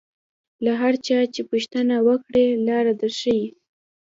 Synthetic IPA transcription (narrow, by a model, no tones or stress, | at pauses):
laɦaɾt͡ʃɑt͡ʃepuʃt̪ənawəkɽelɑɾad̪əɾʃəji